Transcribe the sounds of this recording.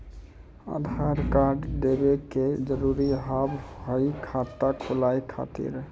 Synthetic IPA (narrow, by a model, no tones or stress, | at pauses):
a̰d̪ʱaɾkaɾɖd̪ebeked͡ʒəɾuɾiɦabɦəjkʰat̪ːakʰulajkʰa̰t̪ḭɾ